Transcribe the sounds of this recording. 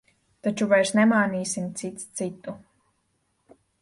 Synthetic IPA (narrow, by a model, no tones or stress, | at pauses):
t̪at͡ʃuvajɾsnɛmaːniːsimt̪sit̪st̪sit̪ːu